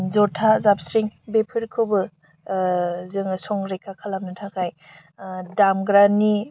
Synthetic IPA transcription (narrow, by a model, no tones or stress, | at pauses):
zɔtʰazap̚sɾiŋbepʰɯɾkʰɯbɯ | zɯŋsɔŋɾekʰakʰalap̚nɯtʰakʰaj | damɡɾanːi